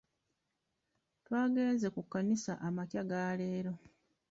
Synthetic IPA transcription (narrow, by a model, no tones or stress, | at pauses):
twaːɡe̞ːnze̞kukːanisa̰ʔamacjaɡaːle̞ːɾo̞